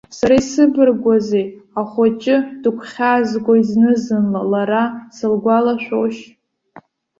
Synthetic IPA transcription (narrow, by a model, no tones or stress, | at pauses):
saɾaisɨbɨrɡʷazeaχʷat͡ʃʼɪd̥ɨkʷʰχʲazɡʷaiznɨzɨnlalaɾasɨlɡʷalaʃʷᶣoʃ